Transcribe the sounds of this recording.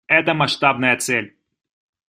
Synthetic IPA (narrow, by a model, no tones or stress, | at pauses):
ɛt̪əmɐʂt̪ab̚nəjət̪sɛlʲ